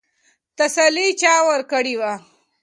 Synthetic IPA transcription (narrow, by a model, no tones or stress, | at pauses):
t̪ɐsalːit͡ʃaːwɐɾkəɽiwa